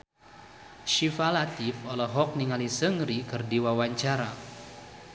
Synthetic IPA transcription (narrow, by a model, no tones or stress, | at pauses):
ʃifalat̪ifɔlɔɦɔk̚niŋalisəŋɾikərdiwawaɲt͡ʃaɾa